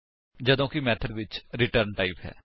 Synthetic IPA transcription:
d͡ʒəd̪õːkimɛːt̪ʰəɖ̪ʋɪt͡ʃɾɪʈəɾɳʈaːɪpɦɛ̰ː

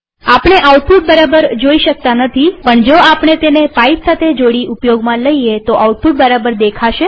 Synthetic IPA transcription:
apɳ̃eʔauʈ̚fuʈ̚bəɾabəɾd͡ʒoiʃək̚t̪anət̪ʰipəɳd͡ʒoapɳet̪enepaipsat̪ʰed͡ʒoɽiʔupjoɡmãləiet̪oʔauʈ̚fuʈ̚bəɾabəɾd̪ekʰaʃe

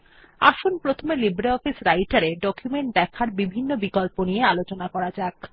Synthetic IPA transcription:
a̰ʃonpɾot̪ʰomelibɾeɔfisɾajʈaɾeɖɔkjumeɳʈ̚d̪ɛkʰaɾbibʱinːobikolponijealot͡ɕonakɔɾad͡ʑaek

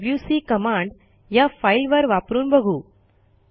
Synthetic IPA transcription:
bljusiːkəmãɳɖ | jafailʋəɾʋapɾuːnbəɡʱuː

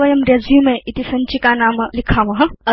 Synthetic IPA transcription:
ʋɐjɐmɾezjumẽʔit̪isɐnt͡ʃikanaːmlikʰamɐɦɐ

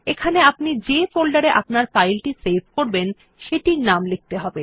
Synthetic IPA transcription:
ekʰaneapnid͡ʑefolɖaɾeʔapnaɾfajlʈisebʱkoɾben | ʃeʈiɾnamlik̚t̪eɦɔbe

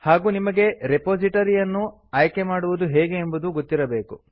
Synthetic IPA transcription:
haːɡuːnimɐɡe̞ɾepoːd͡ʒiʈɐɾijɐnːu | aːjke̞maːɽuʋud̪uɦɛːɡe̞ːmbud̪uɡot̪ːiɾɐbe̞ːku

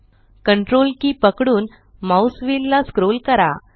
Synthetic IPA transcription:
kəɳʈɾolkiːpəkɽuːn | mawsʋilːaskɾolkəɾa̰

